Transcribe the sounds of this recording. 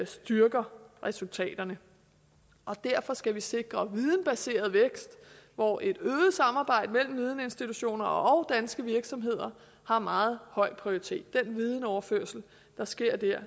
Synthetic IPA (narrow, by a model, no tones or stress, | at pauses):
sd̥yɐɡ̥ɐʁɛsult͡sʰɛ̰ːd̥ɐnə | ʔɒ̽d̥æɐ̰fɒ̽sɡ̥æʋise̝ɡ̥ʁɐʋið̞ˠən̩b̥æse̝̰ːɐð̞ˠʋeɡ̥sd̥ʋɒʔe̝d̥øːð̩ˠsɑ̈mɑ̈ːb̥ɑ̈ɪ̰d̥əmel̰m̩ʋið̞ˠnəe̝nsd̥it͡sʰuɕo̝̰ːnɐɒʔɒʊd̥ænsɡ̥əʋiɐɡ̥sɒ̽mɦe̝ð̞̰ˠɐ | hɑ̈mɑ̈ːð̞̩ˠhɒ̽ɪ̰pʰʁio̝ʁit͡sʰe̝̰ːd̥̚ːenʋið̞ˠən̩ɒʊɐføɐ̰sl̩ | d̥ɑ̈sɡ̥e̝ɐ̰d̥æɐ̰